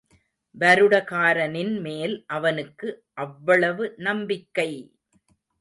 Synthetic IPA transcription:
ʋɐɾɯɽɐkaːɾɐnɪnmeːlʔɐʋɐnɯkːɯʔɐʋːɐɭɐʋɯnɐmbɪkːɐɪ

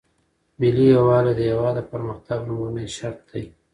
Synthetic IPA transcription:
bilijawɑled̪əjawɑd̪apəɾməxt̪aɡnumuneʃaɾt̪̚d̪aj

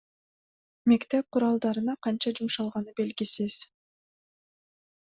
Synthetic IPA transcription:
me̞kt̪ep̚qʰʊɾɑlˠd̪ɑɾɯnɑqʰɑnt͡ʃɑd͡ʒumʃɑlˠʁɑnɯbe̞lɡisiz̥

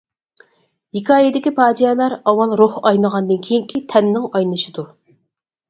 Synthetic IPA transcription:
hikʰɑːjid̪ɪkʲipʰɑːd͡ʒijɛlˠɑɾɑwɑlˠɾohɑjlˠəʁɑnd̪ɨnkʲʰejiŋkʲʰit̪ʰɛnːɪŋɑjlˠɨʃɨd̪u

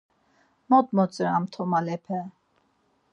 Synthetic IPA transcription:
mɔt̪mɔt͡sʼəɾamt̪ʰɔmalɛpʰɛ

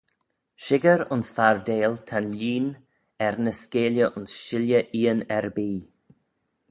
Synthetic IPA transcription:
ʃɪɡəɾʊnsfaɹdeːlt̪ʰanliːn | ɛɾnəskeːljəʔʊnsʃɪljəʔiːənɛɾbiː

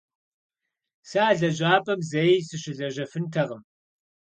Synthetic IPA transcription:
saːɮɐʑaːpʼɐmzejsɨɕɪɮɐʑɐfɨntʰɐʁəm

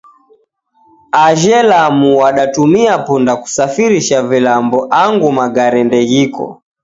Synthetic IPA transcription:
aʒɛlamuwaɗatumiapundaku̥safiɾiʃavilambɔʔaŋɡumaɡaɾɛndɛɣikɔ̰

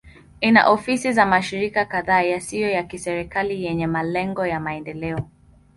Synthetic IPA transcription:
ina̰ʔɔfisizamaʃiɾikakaðaːjasijɔjakisɛɾikalijɛɲɛmalɛŋɡɔjamaɛndɛlɛɔ

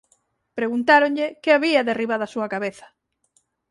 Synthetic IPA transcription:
pɾeɣunt̪aɾoɲʎekeaβiaðeriβaðasuɐkaβeθɐ̥

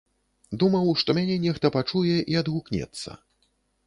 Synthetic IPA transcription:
d̪umɐwʂt̪ɔmʲanʲɛnʲɛxt̪ɐpat͡ʂujɛʔiɐd̪ɣuknʲɛ̰t̪sːɐ̰

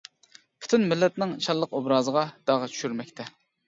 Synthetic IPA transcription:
pʰy̥t̪ʰynmɪlːɛt̪nɪŋt͡ʃʰɑlˠːəqobɾɑːzəʁɑd̪̥ɑʁɑt͡ʃʰy̥ʃyɾmɛk̚ʲt̪ʰɛ

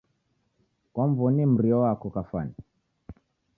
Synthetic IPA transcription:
kwaɱvɔnɛm̩ɾiɔwakɔkafa̰ni

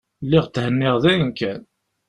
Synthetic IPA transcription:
lːɪʁt̪ːhənːɪʁðæjnkʰːæn

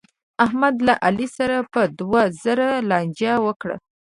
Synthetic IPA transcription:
ahmad̪laʔalisaɾapəd̪wazəɾalɑnd͡ʒjawəkɽa̰

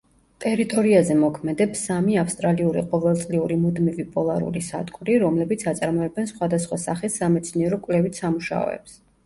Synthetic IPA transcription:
t̪ʼɛɾit̪ʼɔɾiazɛmɔkʰmɛd̪ɛpsamiafst̪ʼɾaliuɾiqʼɔvɛlˠt̪sʼliuɾimud̪mivipʼɔlˠaɾṵlisa̰d̪kʼuɾiɾɔmlɛbit̪sʰat̪sʼaɾmɔɛbɛnsχwad̪asχwasaχisːamɛt̪sʰniɛɾɔkʼwlɛvit̪ʰsamuʃa̰ɔ̰ɛ̰ps

